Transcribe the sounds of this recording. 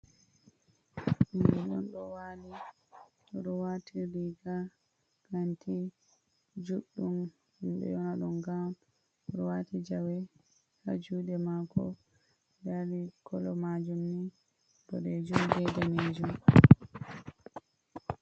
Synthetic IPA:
ʔimɓɛɗɔnɗɔwali | ɗɔɗɔwatʰiɾiɡa | ɡ̥antʰi | d͡ʒuɗum | himɓɛ̰jɔnɔɗɔŋɡam | ɔɗɔwatid͡ʒawɛ | ha̰d͡ʒuːɗɛmakɔ̰ | daɾikʰɔlɔmad͡ʒumni | ɗɔɗɛd͡ʒumd͡ʒɛdamed͡ʒum

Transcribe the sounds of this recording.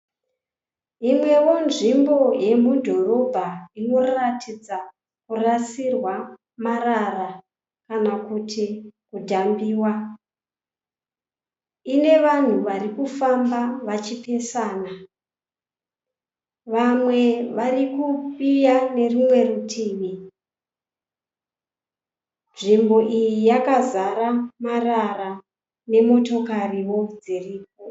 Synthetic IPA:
imwe̞wo̞nʐimbo̞je̞mudʱo̞ro̞bʱaino̞ratʰid͡za | kurasirwa | marara | kanakutʰikudʱambiːwa | ine̞ʋan̤uʋaɾikufambaʋat͡ʃipe̞saːna | ʋamwe̞ʋarikupijane̞rumwe̞rutʰiːʋi | nʐimbo̞ʔijijakazaɾamarara | ne̞mo̞to̞kariwo̞d͡ziriːp̚o

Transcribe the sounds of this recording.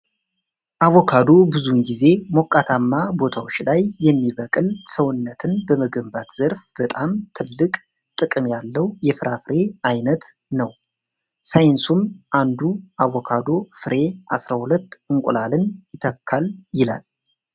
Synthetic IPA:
ʔawɔkʰad̪o̞bɨzunɡize̞mo̞kʼːat̪ʰamːabo̞t̪ʰawot͡ʃːlajːɛmːiβəkʼɨlsəwʊnːət̪ʰɨnbəməɡəmbat̪z̥əɾfb̥ət̪ʼamt̪ʰɨlːɨkʼ | t̪ʼɨkʼɨmjalːəwjɛfɨɾʔafɨɾe̞ajnət̪nəw | sajɪnsumʔand̪uʔawɔkʰad̪o̞fɨɾe̞ʔa̰sɾahulət̪ːɨŋkʷʼʊlalɨnjɪt̪ʰəkʰːaljɪla̰l

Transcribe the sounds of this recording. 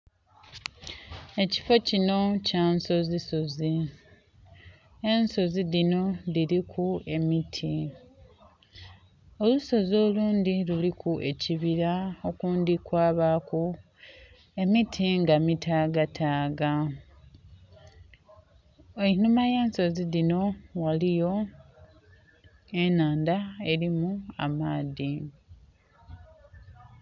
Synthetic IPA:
e̞ci̥fo̞cino̞caːnso̞ziso̞zi | enso̞ziðino̞ðiɾikʰue̞mitʰi | oluso̞zo̞ːluːndilulikue̞ciβiɾao̞kuːndikwaːβaku | e̞mitʰiŋɡamitʰaːɡatʰaːɡa | einumajaːnso̞ziðino̞walijo̞ | e̞naːndae̞ɾimua̰maːði

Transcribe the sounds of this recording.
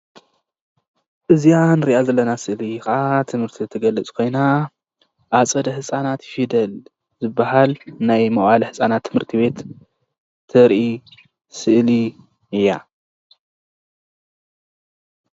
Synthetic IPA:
ʔɨzijanɨɾiʔazɐlːɐnasɨʔlikɐʔat̪ʰɨmhɨɾt̪ʰit̪ʰɨɡɐlɐt͡sʼkʰo̞jna | ʔat͡sʼɐd̪ɐhɨsʼanat̪fid̪ɐl | zɨbːaɦalnajmɐʔalɐhɨsʼanat̪ʰːɨmhɨɾt̪ʰiβe̞t̪ːʰ | ɨɾʔi | sɨʔli | ɨjːa

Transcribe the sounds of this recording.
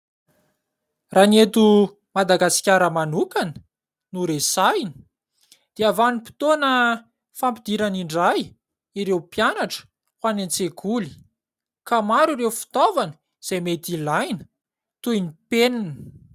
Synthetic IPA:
ranet̪u | mad̪aɡasi̥kʲaɾəmanukanə̥ | nuɾesajni̥ | d̪̥eavanipi̥t̪onə | fampid̪iɾaniɳɖ͡ʐaj | iɾewpjanaʈ͡ʂə̥ | hwanent͡sekʰuli̥ | kamaɾiɾewfi̥t̪ovanə | z̥ejmet̪ilajnə̥ | t̪ujnipeninə̥

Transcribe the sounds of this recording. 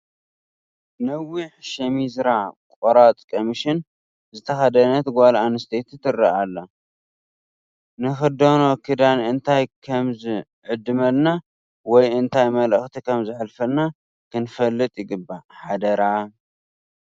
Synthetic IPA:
nɐwiħʃɐmizɾakʼoɾat̪ʼkʼomiʃɪn | zɨt̪ʰɐxɐd̪ɐnɐt̪ɡʷalʔanɨst̪ʰet̪ɨt̪ɨrːaʔalːa | nɨxɨd̪ono̞kʰɨd̪anɨnt̪ʰajkʰɐmzɨ | ʕɨd̪ːɨmɐlna | wɔjɨnt̪ʰajmɐlɐxt̪ʰikʰɐmzɨħlfɐlna | kʰɨnfɐlːɨt̪ʼjɪɡɨbːaħad̪ɐɾa

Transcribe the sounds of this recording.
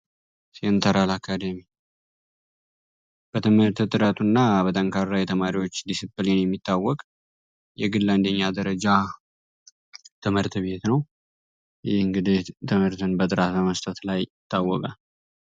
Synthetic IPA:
sint̪ʰəɾalakʰːad̪əmi | b̥ət̪ʰɨmhɨɾt̪t̪ʼɨɾat̪ʰunːabət̪ʼəŋkʰaɾːajɛt̪ʰəmaɾiwot͡ʃːd̪isɨbɨlenjɛmːit̪ʰːawːɔkʼ | jɛɡɨlːand̪əɲːad̪əɾəd͡ʒa | t̪ʰɨmhɨɾt̪ʰβe̞t̪nəw | jɪhɨŋɡɨd̪it̪ʰɨmhɨɾt̪ʰɨnbət̪ʼɨɾat̪bəməst̪ʰət̪lajɪt̪ʰːawːɔkʼal

